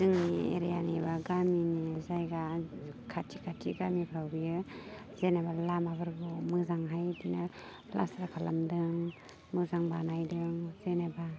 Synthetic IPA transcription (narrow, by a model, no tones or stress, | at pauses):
zɯŋniḛɾejanebaɡaminizajɡakʰatʰikʰatʰiɡamipʰɾawbijɯ | zenabalamabɯɾɡɯmɯzaŋɦajtina | pla̰sɾakʰala̰mdɯŋ | mɯzaŋbanajdɯŋzenaba